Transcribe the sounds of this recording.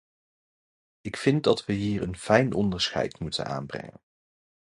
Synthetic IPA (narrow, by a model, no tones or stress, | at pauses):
ɪkfɪnt̚dɑtʋəɦiːɹənfɛjnʔɔndəɹsχɛ̰jtmutə̰na̰ːnbrɛ̰ŋə̰n